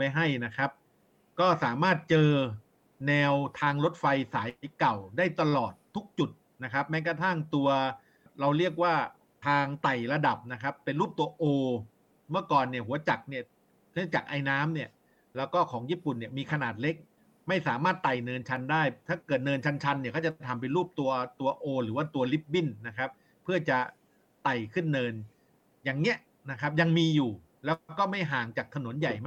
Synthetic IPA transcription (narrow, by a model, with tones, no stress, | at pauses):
ma˥˩jɦa˥˩jna˦˥kʰa˦˥p̚ | kɔː˥˩saː˩˦maː˥˩t̪̚t͡ɕɤː˧ | nɛː˧wt̪ʰaː˧ŋɾo˦˥t̪̚fa˧jsaː˩˦jjka˨˩wdaː˥˩jt̪a˧lɔː˨˩t̪ʰːu˦˥k̚t͡ɕu˨˩t̪̚ | na˦˥kʰa˦˥p̚mɛː˦˥kɾa˧t̪ʰa˥˩ŋt̪u˧ɐ | ɾa˧wɾi˥˩ək̬̚waː˥˩ | t̪ʰaː˧ŋt̪a˨˩jɾa˧da˨˩p̚na˦˥kʰa˦˥pːe˧nɾuː˥˩p̚t̪u˧ɐʔoː˧ | mɯ˥˩ɐkɔː˨˩nːi˥˩ɐɦu˩˦ɐt͡ɕa˨˩k̚ni˥˩ə | nʰɯ˦˥t͡ɕa˨˩k̚ʔa˧jnaː˦˥mni˥˩ɐ | lɛː˦˥wkɔː˥˩kʰɔː˩˦ŋjiː˥˩pu˨˩nːi˥˩ɐmiː˧kʰa˧naː˨˩t̪̚le˦˥k̚ | ma˥˩jsaː˩˦maː˥˩t̪ːa˨˩jnɤː˧nt͡ɕʰa˧ndaː˥˩jt̪ʰaː˥˩kɤː˨˩t̪̚nɤː˧nt͡ɕʰa˦˥nt͡ɕʰa˧nːi˥˩kʰɔː˥˩t͡ɕa˨˩˨t̪ʰa˧mp̬e˧nɾuː˥˩p̚t̪u˧ɐt̪u˧ɐʔoː˧ɾɯː˩˦waː˥˩t̪u˧ɐli˦˥p̚bi˥˩nːa˦˥kʰa˦˥p̚ʰːɯ˥˩ɐt͡ɕa˨˩ | t̪a˨˩jkʰɯ˥˩nːɤː˧n | jaː˨˩ŋni˦˥ɐʔ | na˦˥kʰa˦˥p̚ja˧ŋmiː˧juː˨˩ | lɛː˦˥wkɔː˥˩ma˥˩jɦaː˨˩ŋt͡ɕaː˨˩k̚t̪ʰa˧no˨˩˦nja˨˩jma˥